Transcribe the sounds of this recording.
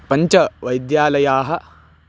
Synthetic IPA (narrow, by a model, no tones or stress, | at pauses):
pɐɲt͡ʃɐʋɐjd̪jaːlɐjaːɦɐ